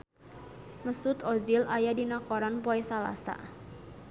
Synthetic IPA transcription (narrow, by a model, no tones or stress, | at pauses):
məsʊt̪ɔzilʔajadinakɔɾanpɔɛsala̰sa̰